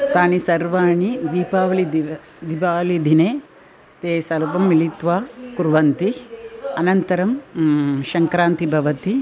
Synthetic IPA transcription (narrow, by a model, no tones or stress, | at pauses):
t̪aːnisɐɾʋaːɳid̪iːpaːʋɐlid̪ | d̪ipaːlid̪ʱineː | t̪eːsɐlɐʋɐmːilit̪ʋaːkuɾʋɐnt̪iɐnɐnt̪ɐɾɐm | ʃɐŋkɾaːnt̪ibʱɐʋɐt̪i